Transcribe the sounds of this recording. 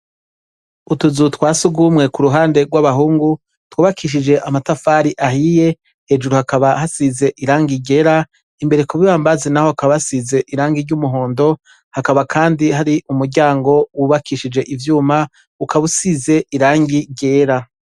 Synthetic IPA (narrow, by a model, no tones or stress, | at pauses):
utuzutwaːsuɡumŋe̞kuɾuɦaːnde̞ɡwaβaɦuːŋɡu | twuːβakʰiʃ̬id͡ʒe̞ʔamatafaɾiʔahije̞ | he̞ːd͡ʒuɾuhakaβahasize̞ʔiɾaːŋɡiɟe̞ːɾa | imbe̞ɾekuβiβaːmbazenaho̞akaβasize̞ʔiɾaːŋɡiɾɟumuɦo̞ːndo̞ | hakaβakʰaːndihaɾiʔumuɾɟaːŋɡo̞wuβakʰiʃid͡ʒe̞ʔivjuːma | ukaβusize̞ʔiɾaːŋɡiɟe̞ːɾa